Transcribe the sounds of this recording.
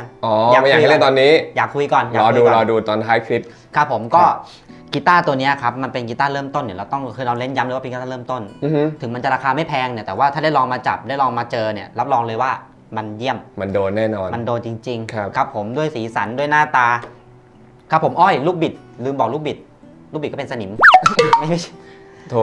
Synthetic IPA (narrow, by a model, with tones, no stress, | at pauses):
ŋʔɔː˨˩aː˨˩a˥˩a˨˧˦t̪ɔː˧nːiː˦˥jaː˨˩kʰːu˧jkɔː˨˩na˨lɔː˧duː˧˦ɾɔː˧duː˧t̪ɔː˧nt̪ʰaː˦˥jkʰɾi˦˥p̚ | kʰa˦˥pʰːo˩˦mkɔː˥˩ | ki˦˥t̪aː˥˩t̪u˧ɐni˦˥˨kʰa˦˥p̚ma˧npe˧nki˦˥t̪aː˥˩ɾɤː˥˩mt̪o˥˩nːi˥˩ɾa˧wt̪ɔ˥˩ŋkʰɯː˧nɔː˧nle˥˩nja˦˥mlːwa˥˩e˧ki˦t̪aː˥˩ɤː˥˩mt̪o˥˩n˧˦t̪ʰɯ˩˦ŋma˧nt͡ɕa˨˩ɾaː˧kʰaː˧ma˥˩jpʰɛː˧ŋni˧˩t̪ɛː˨˩waː˥˩aː˥˩da˥˩jlɔː˧ŋmaː˧t͡ɕa̰˨˩p̚daː˥˩jlɔː˧ŋmaː˧t͡ɕɤː˧ni˨˥˩ɐɾa˦˥p̚lɔː˧ŋlɤː˧jwaː˥˩ | ma˧nji˥˩əmma˧ndoː˧nːɛː˥˩nɔː˧nma˧ndoː˧nt͡ɕi˧ŋt͡ɕi˧ŋkʰa˦˥pkʰa˦˥pʰːo˩˦mdu˥˩əjsiː˩˦sa˩˦ndu˥˩əjnaː˥˩t̪aː˧ | kʰa˦˥pʰːo˩˦mʔɔː˥˩jluː˥˩k̚bi˨˩t̪̚lɯː˧mbɔː˨˩k̚luː˥˩k̚bi˨˩t̪̚ | luː˥˩i˨˩kɔː˥˨e˧nsa˧ni˩˦mma˥˩jma˥˩ | t̪ʰo˧˩